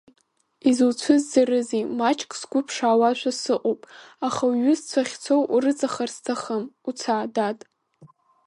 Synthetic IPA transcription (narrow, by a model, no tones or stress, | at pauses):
izwt͡sʷʰɨzːarɨzimat͡ʃʰʼkʼsɡʷʊpʰʂaːwaʃʷasɨqʼowpʼaχaɥʊst͡sʷʰaχʲt͡sʷʰowʔurɨt͡sʼaχarstʰaχəmut͡sʰaːdatʼ